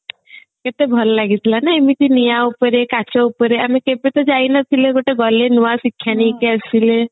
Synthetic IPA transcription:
ket̪ebʱɔlɔlaɡit̪ʰlanaemit̪inijaupɔɾekat͡ʃɔupɔɾeamikepet̪ɔd͡ʒainat̪ʰileɡoʈeɡɔlenuasikʰːjanikeasile

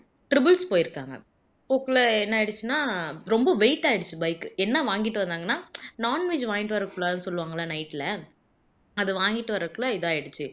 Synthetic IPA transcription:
ʈɾɪbɐlspoːjɪɾɯkːa̰ːŋɡɐ̰ | koːkːɪlɐɛnːɐɛɽɯt͡ʃːɯnaːɾɔmbɐʋeɪʈːaːɪɽɯt͡ʃːɯbɐɪkːɯɛnːɐʋaːŋɡɪʈːɯʋɐnd̪aːŋɡɐnːaːnaːnʋeːd͡ʒʋaːɡɪʈɯʋɐɾɐkːɯɭaːnɯsɔlːɯʋaːŋɡɐlaːnɐɪʈːɪlɐ | ɐðɯʋaːŋɡɪʈːɯʋɐɾɐkːɯɭɐɪðaːɛɽɯt͡ʃːɯ

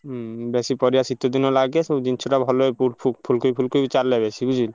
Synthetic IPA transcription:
besipɔɾijasit̪ːod̪inːolaɡesed͡ʑinʰoɾabʱɔlopupʰupʰulkoipʰulkoiit͡ɕalːebesibud͡ʑʱil

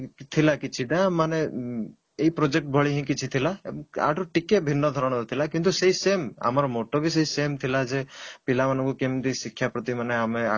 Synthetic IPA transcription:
t̪ʰilakit͡ʃʰiʈamane | eipɾod͡ʒek̚ʈ̚bʱɔɭiɦĩkit͡ʃʰit̪ʰilaa̰ʈɔʈikebʱinːɔd̪ʱɔɾɔɽ̃ɔt̪ʰilakint̪useɦisema̰maɾɔmoʈɔɡis̬eisemt̪ʰilad͡ʒepilamanɔ̃ŋkukemd̪isikʰːjapɾɔt̪imaneamea̰

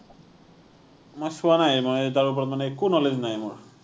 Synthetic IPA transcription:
mojsuwanajmojt̬aɹup̬ɔɹɔt̪manɛkunɔleznajmʊɹ

